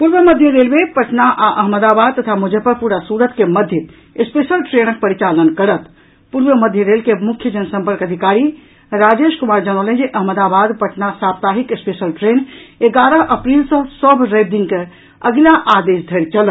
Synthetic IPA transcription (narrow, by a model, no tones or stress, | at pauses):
puɾʋəməd̪ʱjəɾelbepəʈnaʔaʔəɦməd̪abad̪̚t̪ət̪ʰamud͡ʒəpəɾpuɾasuɾət̪keməd̪ʱjət̪ | espesəlʈɾenək̚pəɾit͡ʃalənkəɾət̪ | puɾʋəməd̪ʱjəɾelkemukʰjəd͡ʒənsə̃mpəɾkəd̪ʱikaɾi | ɾad͡ʒeʃkumaɾd͡ʒañəwlə̃nd͡ʒeʔəɦməd̪abad̪pəʈnasap̚t̪aɦikespesəlʈɾeneɡaɾəɦʔəpɾilsə̃səbʱɾəjb̚d̪inke | əɡlaʔad̪esd̪ʱəɾt͡ʃəl